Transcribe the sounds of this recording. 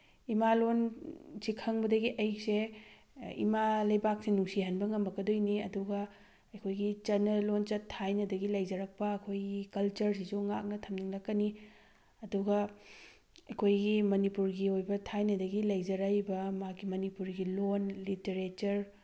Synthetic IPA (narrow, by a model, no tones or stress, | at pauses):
imalonsikʰɐŋbɐdɐɡiʔɐj̚se | ḭmalɐjbak̚sinuŋsiɦɐnbɐŋɐmbɐɡɐdojniɐduɡɐ | ɐkʰojɡit͡ʃɐnːɐlont͡ʃɐtʰːajnɐdɐɡilɐjd͡ʒɐɾɐk̚pɐːkʰojɡikɐlt͡ʃɐɾsizuŋak̚nɐtʰɐmniŋlɐkːɐni | ɐduɡɐ | ɐkʰojɡimɐnipuɾɡiojbɐtʰajnɐdɐɡilɐjd͡ʒɐɾajbɐmakimɐnipuɾɡilonliteɾet͡ʃɐɾ